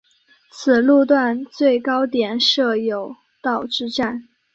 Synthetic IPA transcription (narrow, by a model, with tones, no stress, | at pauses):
t͡sʰɹ̩˨˩lu˥˧t̪wa˥˧nt͡swe˥˩ɪkɑ˥ʊt̪jɛ˨˩nʂɤ˥˩jo˨˩ʊ | t̪ɑ˥˧ʊʈ͡ʂɻ̩˥˧ʈ͡ʂa˥˩n